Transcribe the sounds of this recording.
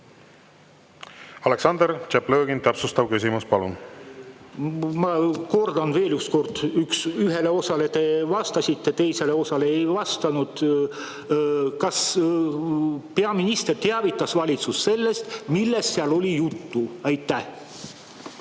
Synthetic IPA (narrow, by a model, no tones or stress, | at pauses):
ɑleksɑnd̪̥eɾt͡ʃepløːɡint̪æpsust̪ɑvkysʲimuspɑlun | mɑko̞rd̪̥ɑnve̞ːlyksko̞rd̪̥yksyɦe̞le̞o̞sɑle̞t̪e̞vɑst̪ɑsʲit̪ːe̞t̪e̞jse̞le̞o̞sɑle̞ejvɑst̪ɑnud̪̥ | kɑs | peɑminʲist̪ert̪eɑvit̪ːˑɑsvɑlʲit̪susse̞lːe̞st̪milːe̞sːeɑlo̞lʲijut̪ːuɑjt̪ːˑæh